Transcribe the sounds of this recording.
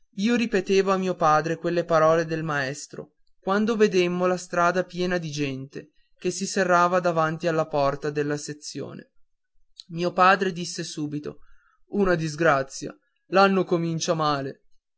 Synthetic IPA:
iːoɾipet̪eːvoamiːopaːd̪ɾekwelːepaɾɔːled̪elmaɛst̪ɾo̰ | kwand̪oved̪emːolast̪ɾaːd̪apjɛːnad̪id͡ʒɛnt̪e | k̟esiserːaːvad̪avant̪ialːapɔrt̪ad̪elːaset̪sːjo̰ːnḛ | miːopaːd̪ɾed̪isːesuːbit̪o̰ | unad̪izɡɾat̪sːja̰ | lanːokomint͡ʃamaːle

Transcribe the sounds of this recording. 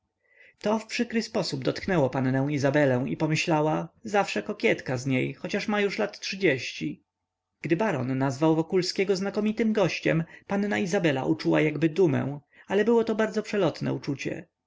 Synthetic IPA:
t̪ɔfpʂɘkɾɘspɔsubd̪ɔt̪knɛwɔpanːɛ̃w̃izabɛlɛ̃w̃ipɔmɘɕlawazafʂɛkɔkʲjɛt̪kazɲejxɔt͡ɕaʂmajuʂlat̪tʂɘd͡ʑeɕt͡ɕi | ɡ̥d̪ɘbaɾɔ̰nːazvawvɔkulskʲeɛɡɔznakɔmʲit̪ɘmɡɔɕt͡ɕɛmpannaizabɛla̰ʔut͡ʂuwa̰jaɡbɘd̪umɛ̰̃w̃ | alɛbɘwɔt̪ɔbaɾd̪zɔpʂɛlɔt̪nɛ̰ut͡ʂut͡ɕɛ̰

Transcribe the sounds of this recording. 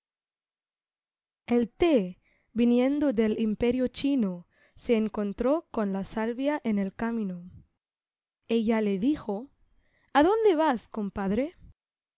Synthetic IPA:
elt̪e | binjẽ̞nd̪o̞ðe̞limpe̞ɾjot͡ʃino | se̞ːŋko̞nt̪ɾo̞konlasalβjaʔe̞ne̞lkamĩno | e̞ʝale̞ðixo | aðo̞nd̪e̞βasko̞mpaðɾe̞

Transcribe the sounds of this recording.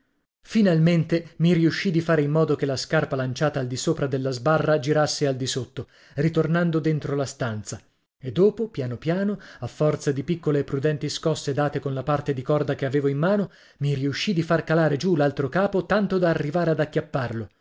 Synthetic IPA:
finalment̪emiɾiuʃːid̪ifaːɾeimːɔːd̪okelːaskarpalant͡ʃaːt̪aːld̪isoːpɾad̪elːazbarːad͡ʒiɾasːeald̪isot̪ːo | rit̪ornand̪od̪ent̪ɾolast̪ant̪sa | ed̪ːoːpopjaːnopjaːnoafːɔrt̪sad̪ipikːoleːpːɾud̪ɛnt̪iskɔsːed̪aːt̪ekonlapart̪ed̪ikɔrd̪akeaveːvoimːaːno | miɾiuʃːid̪ifarkalaːɾed͡ʒulalt̪ɾokaːpot̪ant̪od̪aːrːivaːɾead̪akːjapːarlo

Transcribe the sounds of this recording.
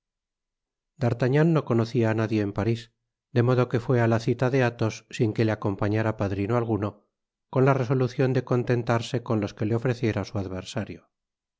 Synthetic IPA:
d̪aɾt̪aɲanːo̞ko̞no̞θiaːnaðje̞ːmpaɾis | d̪e̞mo̞ð̞o̞ke̞fwe̞alaθit̪aðe̞at̪o̞sːiŋke̞leako̞mpaɲaɾapaðɾinoalɣ̞uno̞ | ko̞nlare̞s̬o̞luθjo̞nd̪e̞ko̞nt̪e̞nt̪aɾse̞ko̞nlo̞ske̞leo̞fɾe̞θje̞ɾasuaðβ̞e̞ɾsaɾjo

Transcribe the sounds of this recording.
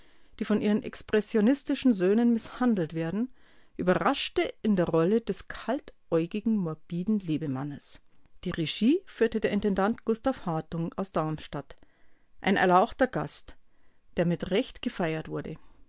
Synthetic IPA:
d̥iːfɔnʔiːʁənʔɛ̰kspʁ̥ɛsjonɪstɪʃn̩zøːnənmɪshandl̩tv̥eːɐdn̩ | ʔyːbɐʁaʃtəʔɪndeːɐʁɔləd̥ɛskʰaltʔɔʏɡɪɡŋ̩mɔɐb̥iːdn̩leːbəmanəsd̥iːʁeʒiːfyːɐtədeɐɪntɛndantɡ̥ʊstafhaːtʊŋaʊsd̥aʊmʃtat | ʔa̰ɪnɛ̰ɐlaʊxtɐɡa̰st | d̥eːɐmɪtʁɛçtɡ̥əfaɪɐtv̥ʊɐdə̰

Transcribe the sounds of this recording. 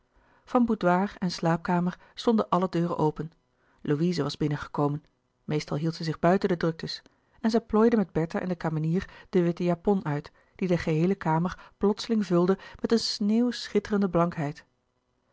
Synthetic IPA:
v̥ɑnbudʋaːrɛnslaːp̚kaːməɹ | stɔndənʔɑlədøːrə̰ʔowpən | lowizəʋɑzbɪnənχə̥kowmən | mejstɑlˠɦilˠtsɛzɪχbœɥtəndədrɵk̚təs | ɛnzɛjplɔjdəmɛd̚bɛɹtaʔɛ̰ndəkaːməniːrd̥əʋɪtəjapɔnœɥt | d̥idəχəɦejləkaːməɹplɔtsəlɪŋvɵlˠdəmɛtənsneːwsχɪtərəndəblɑŋkɦɛjt

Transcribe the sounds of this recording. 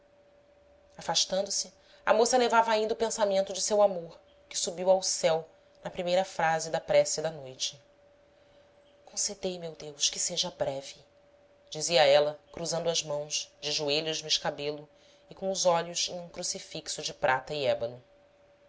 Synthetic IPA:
afaʃt̪ɐ̃nd̪ʊsɪ | ɐ̰mosɐlevavɐaĩd̪ɐupẽsamẽnt̪ʊd͡ʒɪsewamoɾ | kɪ̥subiwawsɛw | nɐpɾimejɾɐfɾazɪd̪ɐpɾɛsid̪ɐnojt͡ʃɪ | kõsed̪ejmewd̪ewʃkɪseʒɐbɾɛvi | d͡ʒiziɐɛlɐkɾuzɐ̃nd̪ʊɐzmɐ̃w̃ʃd͡ʒɪʒueʎʊʒnʊɪʃkabelʊ | ɪkõʊzɔʎʊzẽj̃ũkɾusifiksʊd͡ʒɪpɾʔat̪ɐɪɛbɐlʊ

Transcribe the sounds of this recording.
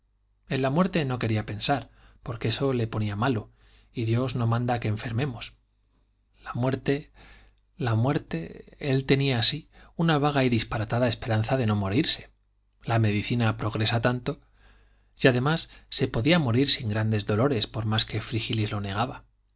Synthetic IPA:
e̞nlamwe̞ɾt̪e̞no̞ke̞ɾiape̞nsaɾpo̞ɾkeeso̞le̞po̞niamalo̞ | iðjo̞zno̞mãnd̪ake̞ːɱfe̞ɾmẽ̞mo̞s | lamwe̞ɾt̪e̞ | lamwe̞ɾt̪e̞e̞lt̪e̞niaːsiunaβ̞aɣ̞aiðispaɾat̪aðae̞spe̞ɾanθaðe̞no̞mo̞ɾiɾse̞̥ | lame̞ðiθinapɾo̞ɣɾe̞sat̪ant̪o̞ | jjaðe̞masːe̞po̞ðiamo̞ɾiɾsiŋɡɾand̪e̞zðo̞lo̞ɾe̞spo̞ɾmaske̞fɾixilizlo̞ne̞ɣaβa

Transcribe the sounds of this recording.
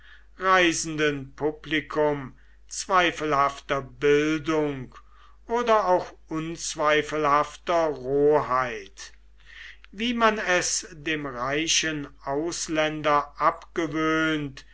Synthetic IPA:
ʁaɪzn̩dənpʰʊplikʰʊm | t͡sv̥aɪfəl̩haftɐbɪldʊŋk | ʔoːdɐaʊxʔʊnt͡sv̥aɪfəl̩haftɐʁoːhaɪt | viːmanɛsdeːmʁaɪʃənaʊslɛndɐʔapɡ̥əvøːnt

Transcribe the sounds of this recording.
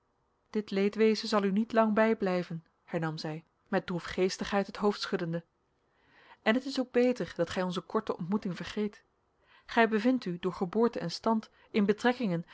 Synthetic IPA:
d̥ɪtlejtʋejzənzɑlˠynitlɑŋbɛjblɛjvən | hɛɹnɑmzɛj | mɛt̚drufχejstəχɦɛjtɦətɦowftsχɵdəndə | ʔɛnɦətɪsowɡ̚bejtəɹd̥ɑtχɛjɔnzəkɔɹtəɔ̰ntmutɪŋvəɹχejt | χɛjbəvɪntydʊːɹχəbʊːɹtənɛnstɑnt | ɪnbətrɛkɪŋən

